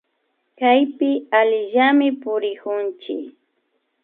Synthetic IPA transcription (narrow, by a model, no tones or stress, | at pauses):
kajpɪaʎɪʒamɪpʊɾɪkʊnt͡ʃɪ̰k